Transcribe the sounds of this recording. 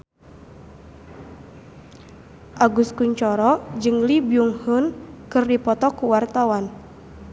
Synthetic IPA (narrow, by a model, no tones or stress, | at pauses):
ʔaɡuskuɲt͡ʃɔɾɔd͡ʒɨŋlibjuŋhunkɨrdipɔt̪ɔkuwart̪awan